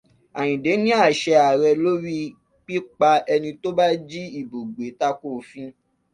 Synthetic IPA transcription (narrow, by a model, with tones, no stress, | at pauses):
a˨j̃ĩ˨de˨˦nĩ˦a˦˨ʃɛ˧a˨ɾɛ˧lo˦ɾi˦ | k͡pi˦k͡pa˧ɛ˧nĩ˧to˦ba˦d͡ʒi˦i˦˨bo˨ɡ͡be˨˦ta˦ko˦˨fĩ˦